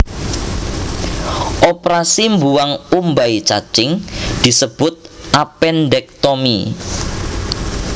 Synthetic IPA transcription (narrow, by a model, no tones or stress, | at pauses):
ʔopɾasimbuwaŋumbait͡ʃat͡ʃɪŋd̪̥i̤səb̥ʊt̪̚ʔapɛndɛk̚t̪omḭ